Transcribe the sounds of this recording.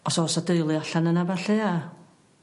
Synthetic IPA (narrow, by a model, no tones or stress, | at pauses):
ɔsɔɔsadəjlˠiaɬanənavaɬea